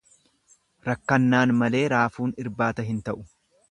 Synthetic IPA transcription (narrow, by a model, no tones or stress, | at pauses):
ɾɐkːɐnːaːnmɐle̞ːɾaːfuːnɪɾbaːt̪ɐɦɪnt̪ɐʔʊ̥